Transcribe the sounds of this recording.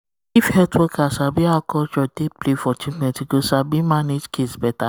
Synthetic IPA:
ifhɛtɔkasabiakɔd͡ʒɔdeplefɔt͡ʃĩk͡pɛ̃tiɡosabimaned͡ʒkʰesbɛta

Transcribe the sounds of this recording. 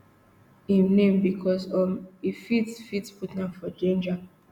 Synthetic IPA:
ĩmnẽmbikʰɔsɔmifitsfitsputnafɔd͡ʒẽnd͡ʒa

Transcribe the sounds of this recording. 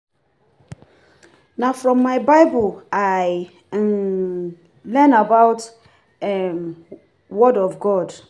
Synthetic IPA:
nafɹɔ̃mːaɪbaɪbəlaɪ | lɛnabaʊt | ɛm | wɔdɔvɡɔd

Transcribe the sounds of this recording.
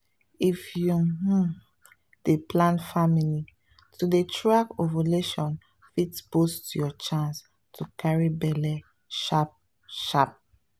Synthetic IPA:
ifjuɦu | d̥eplãnfamili | tudetʰɹakovaleʃɔ̃n | fitsbostjɔt͡ʃãns | tʰukʰaɹibɛlɛ | ʃap̚ | ʃap̚

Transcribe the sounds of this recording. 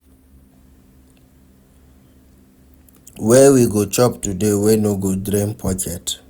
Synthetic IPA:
wɛwiɡot͡ʃɔptudewenoɡodɾĩmpʰɔkʰɛt

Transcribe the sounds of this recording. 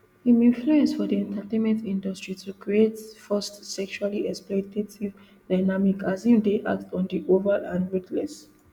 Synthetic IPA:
imĩnfluɛ̃nsfɔdiɛ̃ntətẽnmɛ̃ntĩndastɹitʰukɹietfɜstsɛkʃualiɛksplɔtetiv | daɪnamikʰazĩmdeʔa̰k̚tɔ̃ndiʔovəɹʔãnɹitlɛs

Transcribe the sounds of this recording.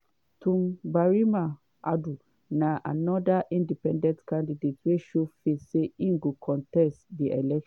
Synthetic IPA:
tũmbaɹima | ʔadu | naʔa̰nɔdaʔĩndipɛ̃ndɛ̃ntkãndidetweʃufeseĩŋɡokʰɔ̃ntɛstdiʔɛlɛkʃ

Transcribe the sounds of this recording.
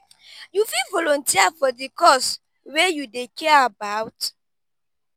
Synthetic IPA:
jufilvɔlɔ̃ntiafɔdikɔs | wejudekɛaabawt

